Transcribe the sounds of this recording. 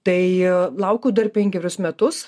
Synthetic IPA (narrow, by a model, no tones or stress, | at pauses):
t̪ɐɪlˠɐʊkʲuːd̪ɐrpʲɛŋʲɡʲɛɾʲʊsmʲɛt̪ʊs